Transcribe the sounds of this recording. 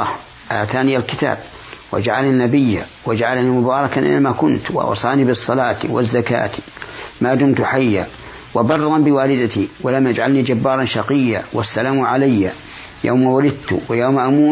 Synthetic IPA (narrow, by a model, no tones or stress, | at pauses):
h | ʔaːt̪aːnijalkɪt̪a̰ːb̚ | wa̰d͡ʒaʕalanːabɪjːa̰wad͡ʒaʕalnimʊbɑːɾˤɑkanʔɪ̰nːamakʊnt̪wʔɑ̰wsˤɑːnibɨsˤːɑlɑːt̪wʔɪ̰zːaka̰ːt̪i̥maːd̪ʊmt̪ħajːa̰ | wabɑrˤːɑnbɪwaːlɪd̪at̪iwalamʔad͡ʒʕalnid͡ʒabːɑːɾˤɑnʃɑqɪjːawasːalaːmʕalajːa | ja̰wmawalɪd̪̚t̪ʊ̰wɪjawmaʔamuː